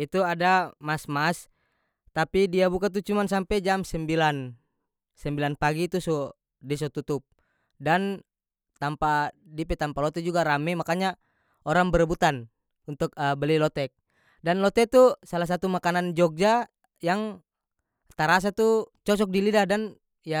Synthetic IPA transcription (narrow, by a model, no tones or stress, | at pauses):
it̪uadamasmas | t̪apidiabukat̪̬ut͡ʃumans̬ampɛd͡ʒamsɛmbilan | sɛmbilanpaɡit̪usɔ | disɔt̪ut̪up̚ | dan | t̪ampa | dipɛt̪ampalɔt̪ɛd͡ʒuɡaɾamɛmakaɲa | ɔɾaŋbəɾəbut̪an | unt̪ukəbəlilɔt̪ɛk̚ | danlɔt̪ɛt̪usalahsat̪umakanand͡ʒɔɡ̚d͡ʒa | jaŋ | t̪aɾas̬at̪ut͡ʃɔsɔk̚dilidahdan | ja